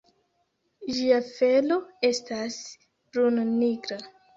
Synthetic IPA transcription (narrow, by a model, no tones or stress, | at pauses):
ʒiafe̞lo̞e̞stas | bɾunniɡɾa